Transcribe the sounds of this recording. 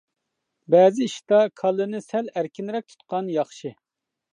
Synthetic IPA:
bɛːzɪiʃt̪ɑkʰɑlˠːɨnɨsɛlæɾkʲinɾɛk̚ʲt̪ʰu̥t̪̚qɑnjɑχʃɨ

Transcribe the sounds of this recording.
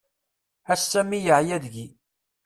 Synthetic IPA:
æsːæmːijəʕjæðʝi

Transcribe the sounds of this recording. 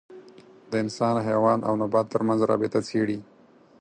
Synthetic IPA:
d̪̥əɪnsɑnɦewɑna̰wnʊbat̪ːəɾmanzɾɑ̰bɪt̪at͡seɽi

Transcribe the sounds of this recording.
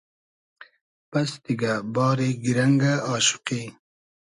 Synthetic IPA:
pɐst̪iɡabɑːɾiɡiɾɐŋɡaɑːʃu̥qi

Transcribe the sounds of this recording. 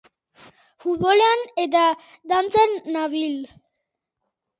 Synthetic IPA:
fut̪βoleanet̪̬ad̪ant͡senːaβil

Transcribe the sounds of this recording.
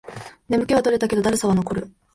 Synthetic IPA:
ne̞mɯ̟ke̞β̞at̪o̞ɾe̞t̪ake̞d̪oaɾɯ̟saβano̞ko̞ɾɯ̟

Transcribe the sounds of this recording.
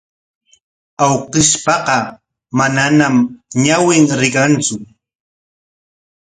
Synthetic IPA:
awqɪʃpɑqɑ | mananamɲawɪŋɾɪɢant͡sʊ

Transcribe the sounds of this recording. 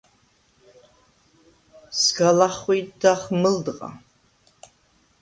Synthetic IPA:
sɡalaχʷijdaχmɨldqʼa̰

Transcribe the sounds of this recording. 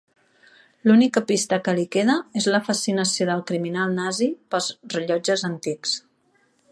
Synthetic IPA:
lunikəpist̪əkəlikeðəezləfəsinəsioðəlˠkɾiminalˠnazipəlˠzrəʎɔd͡ʒəzənt̪iks

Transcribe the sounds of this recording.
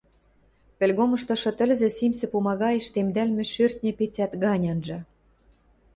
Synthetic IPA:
pĕlʲɣomɤ̆ʃt̪ɤ̆ʃɤ̆t̪ə̆lʲzĕsimsɘ̆pumɑɣɑjĕʃt̪emd̪ælmʲĕʃørt̪̚nʲĕpet͡sæt̪ɣɑnʲɑnʒɤ̆

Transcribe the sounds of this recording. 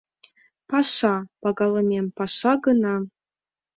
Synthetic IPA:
pɑʃɑpɑɡɑlˠɤmʲempɑʃɑɡənɑ

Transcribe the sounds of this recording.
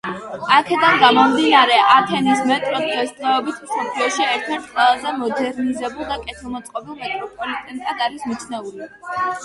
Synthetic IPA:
akʰɛd̪anɡamɔmd̪inaɾɛʔat̪ʰɛnismɛt̪ʼɾɔd̪d̪ɛsd̪ʁɛɔbit̪ʰmsɔpʰliɔʃiɛɾt̪ʰɛɾt̪̚ʰqʼwɛlˠazɛmɔd̪ɛɾnizɛbulˠd̪akʼɛt̪ʰilˠmɔt̪sʼqʼɔbilˠmɛt̪ʼɾɔpʼɔlikt̪ʼɛnik̪ʼad̪aɾismit̪t͡ʃʰnɛuli

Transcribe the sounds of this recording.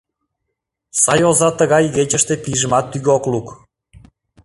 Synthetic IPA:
sɑjozɑt̪əɣɑjɣet͡ɕə̆ʃt̪epiʒəmɑt̪ːyɣokluk

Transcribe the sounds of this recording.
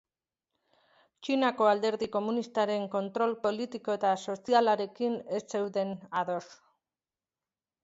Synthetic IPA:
t͡ʃinako̞ald̪e̞ɾðiko̞munist̪aɾe̞ŋko̞nt̪ɾo̞lpo̞lit̪iko̞e̞t̪aso̞sialaɾe̞kine̞sse̞wðe̞naðo̞s

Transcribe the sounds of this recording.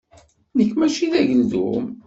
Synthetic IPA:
ðəkːmæʃiðæʝəlðṵm

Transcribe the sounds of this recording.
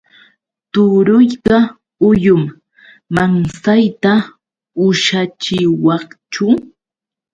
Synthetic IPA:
t̪ʊɾʊjɢɑ | ʊjʊmː | aŋsajt̪a | ʊʃat͡ʃɪwɑχt͡ʃʊ

